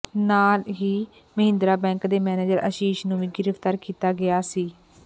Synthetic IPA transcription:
naːlɦiː | məɦɪ̃nd̪ɾaːbɛ̃ːŋkd̪eːmɛːneːd͡ʒəɾʔə̰ʃiːʃnũːʋĩːɡɪɾəft̪aːɾkiːt̪aːɡɪjaːsiː

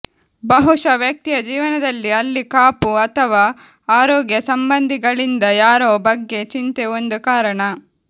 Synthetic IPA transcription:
bɐɦuʂɐʋjɐk̚t̪ijɐd͡ʒiːʋɐnɐd̪ɐlːiɐlːikaːpuɐt̪ʰɐʋaː | aːɾɔːɡjɐsɐmbɐnd̪ʱiɡɐɭind̪ɐjaːɾoːbɐɡːe̞t͡ʃint̪eo̞nd̪ukaːɾɐɳɐ

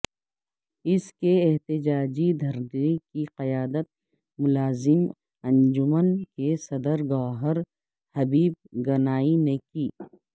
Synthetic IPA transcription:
ɪskeeɦt̪ɪd͡ʒaːd͡ʒid̪ʱɐɾdekiqɐjaːd̪ət̪̚ | mʊlaːzɪm | ɐ̃nd͡ʒʊmənkesɐd̪əɾɡɔːɦəɾ | hɐbiːb̚ɡɐnaːinekiː

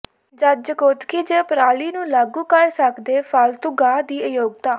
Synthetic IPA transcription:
d͡ʒəd͡ʒəkot̪kid͡ʒeːpɾaːliːnũːlaːɡũːkəɾsəkd̪eːfʰəlt̪ʊɡaːd̪iːəjoːɡ̚t̪aː

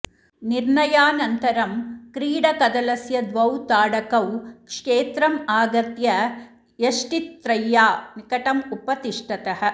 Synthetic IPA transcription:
niɾɳɐjaːnɐnt̪ɐɾɐmkɾiːɽɐkɐd̪ɐlɐsjɐd̪ʋɐwt̪aːɽɐkɐwkʂeːt̪ɾɐmaːɡɐt̪jɐ | jɐʂʈit̪ːɾɐjːaːnikɐʈɐmupɐt̪iʂʈɐt̪ɐɦɐ̆

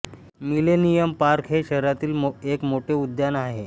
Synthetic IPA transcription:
milenijəmpaɾkʰɦeɕəɾɾat̪iːlmekmoʈʰeud̪janaɦe

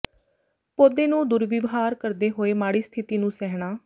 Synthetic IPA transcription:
poːd̪eːnũːd̪ʊɾʋɪʋɦaːɾkəɾd̪eːɦoːeːmaːɽiːst̪ʰɪt̪iːnũːsɛːɦɽaː

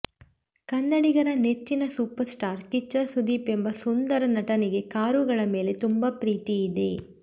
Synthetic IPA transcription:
kɐnːɐɽiɡɐɾɐnet͡ʃːinɐsuːpɐɾsʈaːɾkit͡ʃːɐsud̪iːpembɐsund̪ɐɾɐnɐʈɐniɡe̞kaːɾuɡɐɭɐme̞ːle̞t̪umbɐpɾiːt̪ijːd̪e̞̰

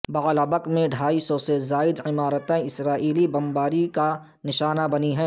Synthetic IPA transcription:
bɐɣlaːbəkmẽɖʱaːisɔsezaːɪd̪ɪmaːɾət̪ẽɪsɾaːʔiːlibɐmbaːɾika | nɪʃaːnabɐniɦɛ̃ː

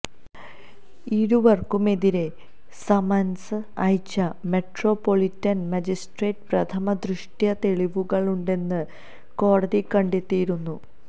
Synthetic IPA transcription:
iɾuʋɐrkume̞ðiɾe̞ | sɐmɐnsɨɐjt͡ɕːɐme̞ʈro̞pːo̞ɭitːɐnmɐd͡ʑisʈreːʈprɐt̪ʰɐmɐd̪rɨʂʈjɐt̪e̞ɭiʋuɣɐɭuɳɖe̞nːɨ | ko̞ːɽɐðikɐɳɖet̪ːijiɾunːu

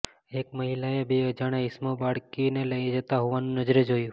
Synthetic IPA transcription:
ekməɦilaebeəd͡ʒaɽ̃eismobaɽkineləjd͡ʒət̪aɦoʋanũnəd͡ʒɾəd͡ʒojũ

